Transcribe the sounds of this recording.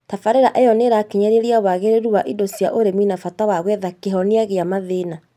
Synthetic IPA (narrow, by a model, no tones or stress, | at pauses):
tafaɾeɾaʔɛjɔneɾakeɲaɾeɾiawaɣeɾeɾuwaʔidosjaʔoɾeminafatawaɣwɛðakeɦɔneaɣeamaðena